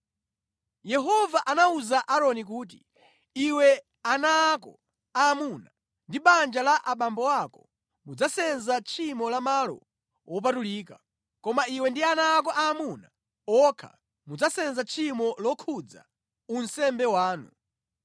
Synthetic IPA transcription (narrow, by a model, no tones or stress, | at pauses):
jɛɦɔvaʔanauzaʔaɾɔnik̬uːt̬i | iwɛ | anaːkɔ | aːmuna | ndiɓand͡ʒalaʔaɓambɔwakɔ | mud͡zasɛnzat͡ʃʰimɔlamalɔ̰ | wʔɔp̬atuliːka | kɔmaiwɛndianaːk̬ɔʔaːmuna | ɔkʰa̰ | mud͡zasɛnzat͡ʃʰimɔlɔkʰud͡za̰ | unsɛmbɛwaːnṵ